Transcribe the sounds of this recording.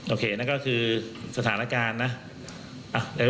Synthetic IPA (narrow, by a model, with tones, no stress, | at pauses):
ʔoː˨˧kʰeː˧na˦˥kɔ˥˩kʰɯː˧sa˧t̪ʰaː˩˦na˦˥kaː˧nːa˦˥ | ʔa˨˧˩da˧˩